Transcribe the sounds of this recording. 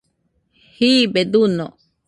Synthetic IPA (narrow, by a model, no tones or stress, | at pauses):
hibed̪uno